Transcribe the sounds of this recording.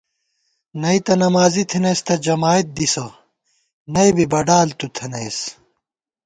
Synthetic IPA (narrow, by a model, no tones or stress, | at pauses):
nɐjt̪ɐnɐmaːzit̪ʰinɐjst̪ɐd͡ʑɐmaːit̪̚d̪isɐ | nɐjbibɐɖaːlt̪ut̪ʰɐnɐjs